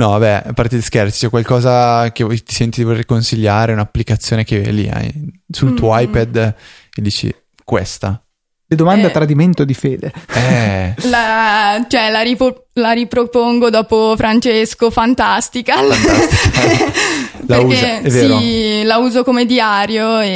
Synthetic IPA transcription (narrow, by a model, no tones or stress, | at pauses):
nɔbɛapart̪id̪iskert͡ʃ̪i̥t͡ʃɛkwalkɔːzaket̪i̥sɛnt̪id̪ivolerkonsiʎːaːɾeunapːlikat̪sːjoːnek̟ḛlḭa̰jsult̪uoajpɛd̪ | d̪iːt͡ʃḭ | kwḛst̪a̰ | led̪omand̪at̪ɾad̪iment̪od̪ifeːd̪eɛlat͡ʃoɛlaɾiolaɾipɾopoŋɡod̪ɔːpofɾant͡ʃeskofant̪ast̪ika | leaukeɛveːɾolauːzokomed̪iaːɾjoe